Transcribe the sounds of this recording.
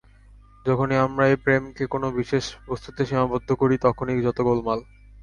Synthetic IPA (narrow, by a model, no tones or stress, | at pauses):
d͡ʑɔkʰoniamɾaepɾemkekonobiʃeʃpɾost̪ʰut̪eʃimabod̪ʱːokoɾit̪ɔkʰonikd͡ʑɔt̪oɡolmal